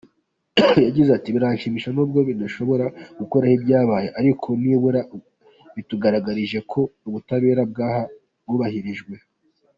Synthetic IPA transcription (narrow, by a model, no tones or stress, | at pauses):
jaɟizeatiβiɾaɲʃimiʃanuːb̚ɡo̞βidaʃo̞βo̞ɾaɡ̥uko̞ɾahibɟaːβaːjeʔaɾikʰo̞niːβuɾa | βituɡaɾaɡaɾiʒe̞kʰo̞uβutaβeːɾab̚ɡaːha | bɡuːβahiɾiʒɡwe̞